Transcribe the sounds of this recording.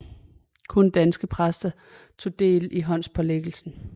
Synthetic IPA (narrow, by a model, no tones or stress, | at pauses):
kʰɔ̽nd̥ænsɡ̥əpʰʁasd̥ɐ | t͡sʰo̝d̥e̝̰ːliɦɒ̽n̰spʰɒ̽leɡ̥l̩sn̩